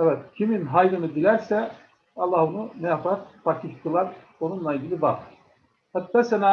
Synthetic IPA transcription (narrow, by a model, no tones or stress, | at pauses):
ɛvɛt̪̚cʰiminɦajɾɯnɯd̪ilʲæɾsɛ | ɑlˠːɑːhonunɛjapat̪fakʰihkʰɯlˠaɾ | onunlˠailʲɟilʲibak | hat̪ːasɛna